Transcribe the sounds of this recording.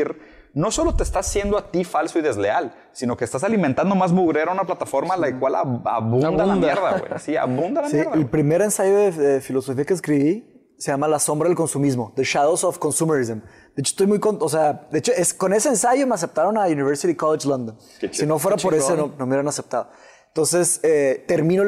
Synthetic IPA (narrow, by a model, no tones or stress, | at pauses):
ɾ | no̞so̞lo̞t̪eːst̪asːje̞nd̪oat̪ifalsoiðe̞zleal | sino̞kest̪asalimẽnt̪and̪omazmuɣɾeɾaunaplat̪afo̞ɾmalakwala̰a̰βud̪ananmd̪aeɾða̰wḛsia̰βũnd̪alamsiɾðelpɾime̞ɾe̞nsaʝo̞ðeðefilo̞sofiakes̬kɾiβi | seʝamalaso̞mbɾaðelko̞nsumizmo̞ðeʃaðosofko̞nsumeɾizm | d̪eet͡ʃo̥st̪o̞jmujkonos̬ead̪e̞et͡ʃoesko̞ne̞seːnsaʝo̞me̞as̬ep̚t̪aɾo̞nauniβ̞eɾsit̪ikoled͡ʒlõnd̪õn | sino̞fweɾapoɾesononomeeɾanase̞p̚t̪aðo | ent̪o̞nse̞set̪e̞ɾmĩno